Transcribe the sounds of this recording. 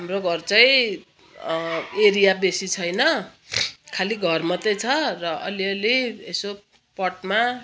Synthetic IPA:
ɦamroɡʱʌrt͡sʌĩ | eɾijabesit͡sʰʌjnʌ | kʰaliɡʱʌrmatʌjt͡sʰʌrʌʌ̰liʌlieso | pʌʈma

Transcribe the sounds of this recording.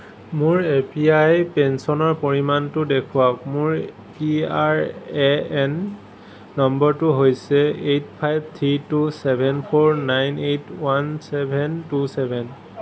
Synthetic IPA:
mʊɹepiajpɛnsɔnɔɹpoɹimantʊdekʰuwakmʊɹ | piaɹɛɛnː | ɔmbɔɹtʊɦojsɛejt̚ʰpʰajb̚ʱt̪ʰɹitusɛbʱɛnpʰɔɹnajnetwansɛbʱɛntusɛbʱɛn

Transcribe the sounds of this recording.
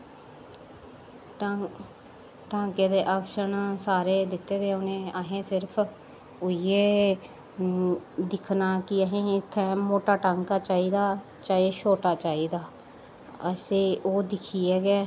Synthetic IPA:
ʈãːŋkeːd̪eːʔaːpʃənsaːɾeːd̪ɪt̪ːeːd̪eːʊnẽːəɦẽːsɪɾpʰ | ʊieː | d̪ɪkʰnaːkɪəɦẽːɪt̪ʰːɛːmoːʈaːʈaːŋkaːt͡ʃaːiːd̪aː | t͡ʃaːeːʃoːʈaːt͡ʃaːiːd̪aː | əseːʔoːd̪ɪkʰiːɛːɡɛː

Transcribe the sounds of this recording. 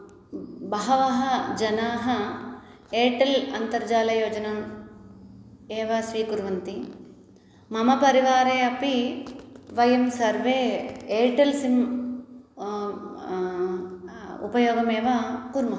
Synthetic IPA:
bɐɦɐʋɐɦɐd͡ʒɐnaːɦɐ | eːʈɐlɐnt̪ɐɾd͡ʒaːlɐjoːd͡ʒɐnɐm | eːʋɐʃɾiːkuɾʋɐnt̪i | mɐmɐpɐɾiʋaːɾeːɐpi | ʋɐjemsɐɾʋeːeːʈɐlsim | ṵpɐjoːɡɐmeːʋakuɾmɐɦ

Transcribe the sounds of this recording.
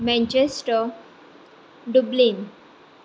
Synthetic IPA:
mɛ̃ɲt͡ɕesʈə | ɖublin

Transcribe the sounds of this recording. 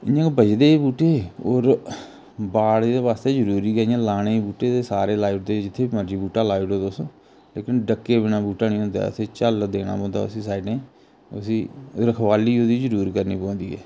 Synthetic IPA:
ɪɲãːkbəd͡ʒd̪eːbuːʈeːoːɾ | baːɽːd̪eːβaːst̪eːzəɾuːɾiːkəãːlaːɽ̃eːbuːʈeːt̪eːsaːɾeːlaːɪʈd̪eːd͡ʒɪt̪ʰːeːbiməd͡ʒiːbuːʈaːlaːɪʈoːd̪osõː | leːkɪnɖəkːeːbɪnaːbuːʈaːnĩːɦʊ̃nd̪a̰ːə̰t̪ʰeːt͡ʃəld̪eːɽ̃a̰ːpɔ̃ːnd̪a̰ːʊsĩːsaːɪɖẽː | əsĩːɾəkʰʋaːliːod̪iːzəɾuːɾkəɾniːpõːnd̪iːɛ̰ː

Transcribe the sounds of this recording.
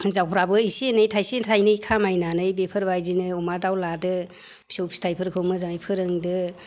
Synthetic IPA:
zawpʰɾabɯisienɯjtʰajsentʰajnɯjkʰamajnanɯjbepʰɯɾbajzinɯɔmadawladɯ | pʰi̥sowpʰistʰajpʰɯɾkʰɯwmɯzaŋjpʰɯɾɯŋdɯ

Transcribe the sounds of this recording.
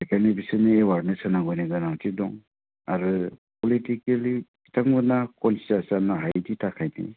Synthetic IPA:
ɛkʰanɯbisɯnɯewaɾnesɯnaɡɔjnɯɡɯnatidɔŋ | aɾɯpɔlitikeliki̥taŋɡɯnakɔnsi̥tasanaɦajditʰakʰajnḭ

